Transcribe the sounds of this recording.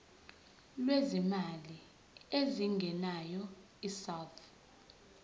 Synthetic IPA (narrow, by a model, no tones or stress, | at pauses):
lwezimali | eziŋɡʱɛnajɔ | isawt̪ʰ